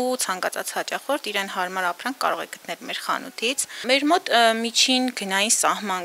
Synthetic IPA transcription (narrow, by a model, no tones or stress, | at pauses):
ut͡sʰɑŋkɑt͡sʰɑ̰t͡shɑt͡ʃɑχɔɾt̪ʰiɾɛnɦɑɾmɑɾɑpʰɾɑŋʰkːɑ̰ɾɔʁɛ̰ɡə̥t̪nɛlmɛɾχɑ̰nṵt̪ʰit͡sʰmɛɾmɔt̪mit͡ʃʰinɡənɑjinsɑhmɑn